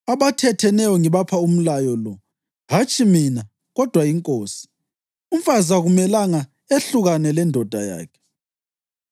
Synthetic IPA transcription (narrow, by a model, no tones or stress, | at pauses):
aβatʰɛtʰɛnɛjɔŋiβapʰaum̩lajɔlɔ | ɦat͡ʃʼimina | ɣɔd̥ʱwaiŋkʼoːsi̥ | uɱ̩fazaɣumɛlaŋa | eɬuɣanɛlɛndʱɔd̥ʱa̰ja̰ːkʰɛ̥